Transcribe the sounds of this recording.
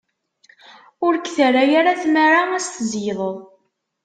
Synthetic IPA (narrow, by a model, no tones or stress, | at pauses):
ʊɾkːθəɾajaɾaθmaɾaæst̪əzjðˤəðˤ